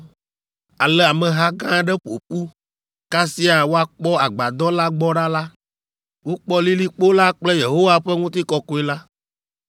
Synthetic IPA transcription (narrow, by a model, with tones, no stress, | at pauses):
a˨lɛ˦a˨mɛ̃˨ɦa˦ɡã˦ɖɛ˦ɸo̰˨ɸu˦ | ka˦si˦a˨wo˦a˦k͡pɔ˦a˨ɡ͡ba˨d̪ɔ˦la˦ɡ͡bɔ˦ɖa˦la˦ | wo˦k͡pɔ˦li˦li˦k͡po˦la˦k͡plɛ˦je˨ɦo˦wa˦ɸɛ˦ŋũ˦t̪̬i˦kɔ˦kɔ˦e˦la˦